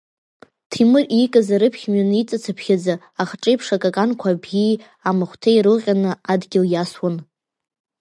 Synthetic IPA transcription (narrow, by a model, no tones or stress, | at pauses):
tʰimɨrikʼazaɾɨpʰχʲmɥanɨit͡sʼat͡sʰapʰχʲad͡za | aχʈ͡ʂʼejpʰʂakʼakʼankʷʰabɡi | amɨχʷtʰejɾɨʁʲʼanɨadɡʲɪljaswan